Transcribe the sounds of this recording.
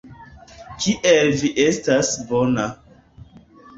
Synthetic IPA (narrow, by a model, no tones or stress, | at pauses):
kʰiʔelviʔestasbona